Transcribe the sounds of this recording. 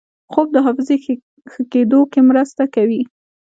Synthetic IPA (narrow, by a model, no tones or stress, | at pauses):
xob̚d̪əɦafɪze | xəked̪okemɾəst̪akawi